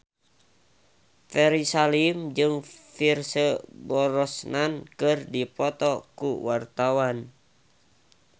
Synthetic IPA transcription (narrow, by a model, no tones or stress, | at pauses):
fɛɾisalimd͡ʒɨŋfirsəbɔɾɔsnankɨrdipɔt̪ɔkuwart̪awan